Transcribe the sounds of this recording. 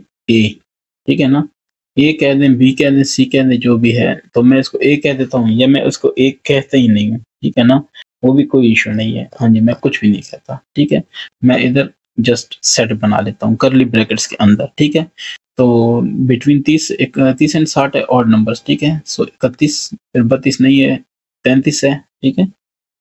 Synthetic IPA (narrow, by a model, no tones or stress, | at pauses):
eː | ʈʰiːkɦɛnaː | eːkːɛɦd̪ẽbʱiːkɛːd̪ẽsiːkɛɦd̪ẽd͡ʒoːbʱiɦɛ̰ːt̪oːmɛ̃ːɪskoʔeːkːɛɦd̪eːt̪aɦũjamɛ̃ʔʊskoʔeːkːɛːɦt̪eɦĩnɐ̃ɦĩɦũːʈʰḭːkɦɛnaːʋoːbʱikoːiɪʃuːnɐ̃ɦĩɦɛ̰ːhãːd͡ʒimɛ̃ːkʊt͡ʃʰbʱinɐĩkɛɦt̪aʈʰiːkɦɛːmɛ̃ːʔɪd̪əɾ | d͡ʒɐsʈsɛʈbɐna̰ːleːt̪aɦũːkɐɾlibɾɛːkəʈskeʔɐ̃nd̪əɾʈʰiːkɦɛːt̪oːbɪʈwĩːnt̪iːsɪkt̪iːsɛ̃ːɳsaːʈɦɛ̰ʔɔːɖnɐ̃mbəɾsʈʰiːkɦɛsoːɪkət̪ːiːsɪɾbət̪ːiːsnɐɦĩɦɛ | pɛ̃ːnt̪iːsɛːʈʰiːkɦɛː